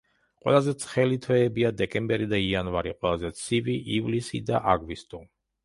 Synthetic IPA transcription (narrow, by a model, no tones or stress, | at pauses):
qʼwɛ̰lˠazɛt̪sʰχɛlit̪ʰvɛːbiad̪ɛkʼɛmbɛɾid̪aianvaɾiqʼwɛlˠazɛt̪sʰiviʔivlisḭd̪aʔaɡvist̪ʼu